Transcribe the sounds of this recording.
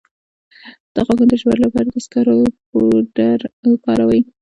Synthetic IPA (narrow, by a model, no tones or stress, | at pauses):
d̪̥aɣɑkand̪əʃwaɾlapɑɾad̪əskaɾopoɖaɾkɑɾawai